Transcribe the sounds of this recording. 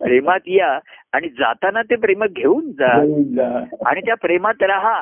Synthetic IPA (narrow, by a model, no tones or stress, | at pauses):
pɾemat̪jaːɽ̃id͡za̰t̪anat̪ep̬ɾeməɡʱeuːnd͡zad͡zaa̰ɽ̃it̪japɾemat̪ɾaɦa